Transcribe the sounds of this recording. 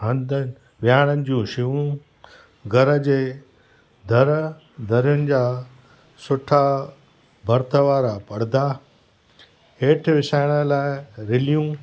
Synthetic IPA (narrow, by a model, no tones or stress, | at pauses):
ɦɐ̃nd̪ə | ʋjaːɽ̃ənɪ̆d͡ʑũːʃɪʋũ | ɡʱɐɾə̆d͡ʑeː | d̪ʱɐɾə | d̪ʱɐɾjʊnɪ̆d͡ʑaː | sʊʈʰa | bʱɐɾt̪ʰəʋaːɾapɐɽd̪aː | ɦeːʈʰɪʋɪsaːɪɽ̃əlaːɪɾɪlijũː